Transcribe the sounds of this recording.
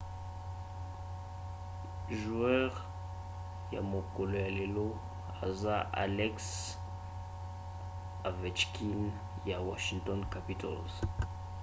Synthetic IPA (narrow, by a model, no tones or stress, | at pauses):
ʒuœʁ | ja̰mokoloalelo | a̰zaʔa̰lɛks | avɛt͡ʃkʰin | jawaʃiŋt̪ɔnkapitɔ̰lz